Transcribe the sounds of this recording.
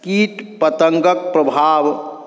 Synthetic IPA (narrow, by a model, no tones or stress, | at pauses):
kiːt̪pət̪əŋkək̚pɾəbʱaːʋ